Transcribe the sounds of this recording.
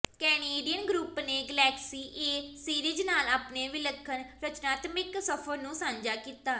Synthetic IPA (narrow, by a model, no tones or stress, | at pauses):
kɛːneːɖijənɡɾuːpneːɡəlɛːksiːʔeːsiːɾiːd͡ʒnaːlaːpneːʋɪləkʰːənɾət͡ʃnaːt̪mɪksəpʰəɾnũːsãːɲd͡ʒaːkiːt̪aː